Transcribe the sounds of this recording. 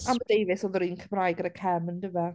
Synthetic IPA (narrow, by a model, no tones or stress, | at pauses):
amədejvɪsɔðəɾiːnkʰəmrajɡəɾəkʰɛməndɪva